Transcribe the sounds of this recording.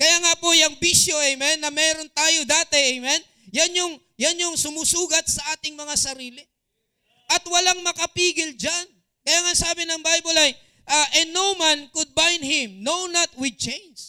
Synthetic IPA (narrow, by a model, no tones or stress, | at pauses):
kɐjaːŋapojɐŋbiʃjo̞ʔɛjmɛnːɐmɛːɾo̞nt̪aːjod̪aːt̪ɛʔɐjmɛn | jɐnjʊŋ | janjoŋsʊmuːsuːɡɐt̪̚sɐʔaːt̪ɪŋmɐŋasɐɾiːlɪ | ʔɐt̪̚wɐlaŋmɐkɐpiːɡɪld͡ʒan | kɐjaːŋasaːbɪnɐŋbajbolɐj | ʔɐʔɛnːowmankʊd̪̚bajnhɪ̃mnownɐt̪̚wɪd̪̚t͡ʃẽjns